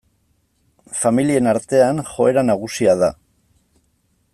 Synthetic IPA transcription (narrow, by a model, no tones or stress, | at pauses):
familie̞naɾt̪e̞anxo̞e̞ɾanaɣ̞usiað̞a̰